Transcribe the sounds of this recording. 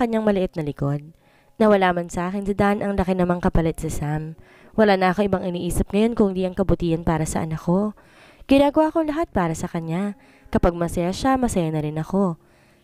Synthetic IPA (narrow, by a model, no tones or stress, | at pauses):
kɐɲːaŋmɐlɪʔɪt̪̚nɐlɪko̞d̪̚ | nɐwɐlaːmɐnsɐʔaːkɪnsɪd̪anʔɐŋlɐkɪnɐmaŋkɐpɐlɛt̪̚sɐsam | wɐlaːnɐʔɐkoʔɪbaŋʔɪniːʔiːsɪp̚ŋɐjo̞nkʊŋd̪iːʔɐŋkɐbʊt̪iːɐnpaːɾɐsɐ̰ʔɐ̰nɐkːo̞ | ɡ̥ɪnaːɡɐwaːʔkoŋlɐɦat̪̚paːɾɐsɐkɐɲːa | kɐpaɡ̚mɐsɐjaʃamɐsɐjanɐɾɪnɐko̞